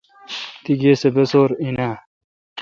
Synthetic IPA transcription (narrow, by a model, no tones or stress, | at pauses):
t̪iɡeːsebesoːɾinaː